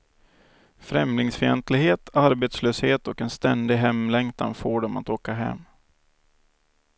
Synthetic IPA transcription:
fɾɛmlɪŋsfɪɛnt̪lɪɡɦeːt̪ʰaɾbeːt̪sløːsheːt̪ɔkɛnst̪ɛnd̪ɪɦɛmlɛŋkt̪ʰa̰nfoːɖɔma̰t̪oːkaɦɛ̰mː

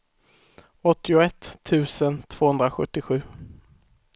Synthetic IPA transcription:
ɔt̪ːɪʊɛt̪ʰːʉ̟ːsənt̪ʰv̥oːhɵnd̪ɾaɧɵt̪ːɪɧʉ̟ː

